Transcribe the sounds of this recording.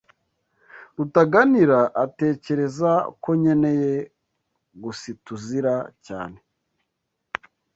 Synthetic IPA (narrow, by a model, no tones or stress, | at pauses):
ɾutaɡaniɾaʔate̞ːce̞ɾe̞zako̞ɲe̞neje | ɡusituziɾaca̰ːne̞